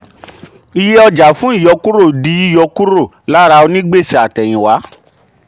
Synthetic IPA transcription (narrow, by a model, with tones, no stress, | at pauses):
i˧je˦ɔ˧d͡ʒa˨fũ˨˦i˦˨jɔ˧ku˦ɾo˦˨di˨˧˦i˦˨jɔ˧ku˦ɾo˦˨ | la˨˦ɾa˧o˧nĩ˦ɡ͡be˦˨si˨a˨tɛ˨j̃ĩ˨wa˨˦